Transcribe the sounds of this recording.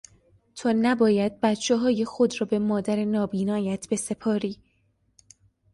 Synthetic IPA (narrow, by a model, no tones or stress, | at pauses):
t̪ʰoːnæbɒːjæd̪̥̚bæt̪t͡ʃʰeɦɒːjexo̞d̪rɒːbemɒːd̪æɾenɒːbiːnɒːjæt̪ʰb̥e̞se̞pʰɒːɾiː